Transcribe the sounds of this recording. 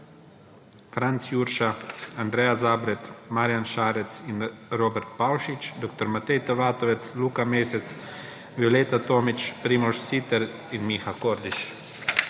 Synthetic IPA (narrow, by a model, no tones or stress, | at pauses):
fɾant̪sjuɾʃaand̪ɾɛːjazaːbɾɛt̪maɾjanʃaːɾɛt̪sinɾobɛɾt̪pawʃit͡ʃd̪okt̪ɔɾmat̪ɛjt̪aʋaːt̪ɔʋɛt̪sluːkameːsɛt̪s | ʋjolet̪at̪oːmit͡ʃpɾiːmɔʃsit̪ɛɾ | inmixakoɾd̪iʃ